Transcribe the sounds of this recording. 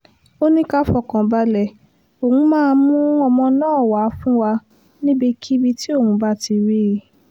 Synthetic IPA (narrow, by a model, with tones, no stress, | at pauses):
o˦nĩ˦ka˦fɔ˦˨kã˨ba˦lɛ˦˨ | o˨hũ˧˦mãː˦˧mũ˦ɔ˧mɔ̃˧nãː˦˨wa˨˦fũ˦wa˧ | nĩ˦bie˧kʰi˦bi˧ti˦o˦˨ũ˨˦ba˦˨ti˧ɾi˦˨